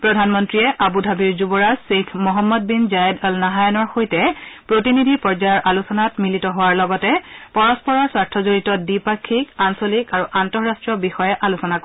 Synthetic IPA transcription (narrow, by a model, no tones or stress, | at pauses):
pɹɔdʱanmɔntɹijɛʔabudʱabiɹzubɔɹazsekʰmɔɦɔmːɔd̚binzajɛdɔlnaɦajɔnɔɹxojtɛpɹotinidʱipɔɹzajɔɹʔalusɔnatmilitɔɦʊwaɹlɔɡɔtɛpɔɹɔspɔɹɔɹswaɹtʰɔzoɹitɔdipakʰːikansolikaɹuʔantɔɹastɹiɔbixɔjɛʔalusɔnak